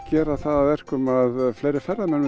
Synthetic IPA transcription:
cɛːɾaθaðaðvɛr̥kʏmaðfleːjɾɪɾfɛrːamɛnː

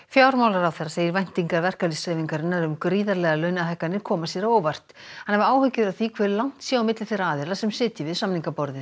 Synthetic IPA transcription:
fjaːwɾmawlaɾawθeɾːaseːjɪɾvajn̥t̪iŋkaɾvɛr̥kalisajviŋkaɾɪnːaɾʏmkɾiːðaɾlɛːɣalœɥnaɦɛjhkːanːɪɾ̥kʰɔːmasjɛɾaoːwvar̥t̪hanhɛvaːwhʏɥcɪðawθikʰvɛːɾɪlawŋ̥t̪sjaamɪt̪lɪθejɾaaːðɪɾlasɛmsɪːt̪ɪvɪðsamniŋkapɔɾðɪ

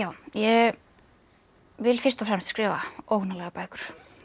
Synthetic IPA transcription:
jaːwjɛɣ | vɪlfɪrst̪ɔfɾɛmst̪skɾɪːvaoːwhnalɛɣapaːjkʏɾ̥

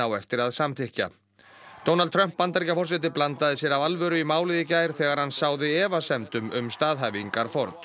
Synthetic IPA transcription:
awɛft̪ɪɾaðsamθɪhca̰ | t̪ownalt̪ʰɾœm̥pːant̪aɾicafɔrsɛt̪̬ɪplant̪aðɪsjɛɾavalvœːɾʏimaːwlɪðɪcaːjɾ̥θɛɣaɾhansaːwðɪɛːvasɛmt̪ʏmʏmst̪aːðɦajviŋkaɾ̥fɔɾt̪

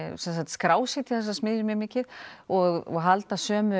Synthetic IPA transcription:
sɛns̬at̪skɾaːwsɪt̪ʰi̥θɛs̬ːasmɪːðjʏmɪmɪːcɪðɔɣɔɣɦalt̪asœːmʏ

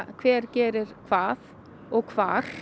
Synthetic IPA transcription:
kʰvɛːɾcɛːɾɪɾ̥kʰv̥aːð | ɔɣkʰv̥aːɾ̥

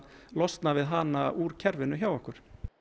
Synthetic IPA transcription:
lɔst̪navɪðɦanauːɾ̥cʰɛɾvɪnːʏçjaːwɔhkʏɾ̥

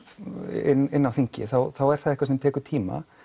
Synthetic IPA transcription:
ɪ̰nːɪnːawθiɲcɪ̰θawθawɛɾ̥θaðɛkvaɾsɛmt̪ʰɛːkʏɾ̥t̪ʰiːma̰

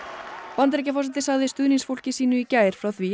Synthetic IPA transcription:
pant̪ɾec̬afɔɾs̬ɛt̪ɪsaɣðɪst̪ʏːðniŋsfol̥cɪsiːnʏicaːjɾ̥fɾawθvi

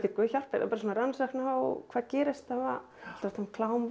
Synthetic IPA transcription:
t̪ɪkvœːçar̥pɪɾ̰paːɾs̬oːnaɾansaknawkʰvaːðcɛːɾɪst̪ava | lḁɾt̪hankʰlaːwm

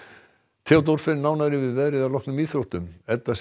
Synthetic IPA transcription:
t̪ʰawt̪̬owɾfɪnnaːwnaɾɪvɪðvɛðɾɪðavlɔknʏmiːðθɾowht̪ʏmɛt̪ːas

